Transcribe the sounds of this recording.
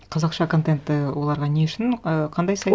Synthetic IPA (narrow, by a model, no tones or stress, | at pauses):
qʰɑzɑqʃɑko̞nt̪e̞nt̪ːɪwo̞lˠɑɾʁɑneʊʃɪnəqʰɑnd̪ɑjsɑj